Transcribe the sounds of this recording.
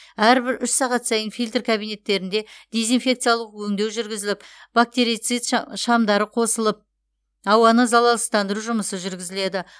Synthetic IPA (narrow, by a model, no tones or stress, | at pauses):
æɾbɪɾʏʃsɑʁɑt̪sɑjənfʲijlʲt̪rkʰabijne̞t̪ːe̞ɾɪnd̪e̞d̪ʲe̞zijnfʲe̞kt̪sɨjalˠəqwɵŋd̪e̞wʒʏɾɡʲɪzɪlɪpb̥ak̚t̪e̞ɾijt̪sɨjt̪ʃɑmd̪ɑɾəqʰo̞səlˠəp̚ | ɑwɑnəzɑlˠɑlˠəst̪ɑnd̪əɾuʒʊməsəʒʏɾɡʲɪzɪle̞d̪ɪ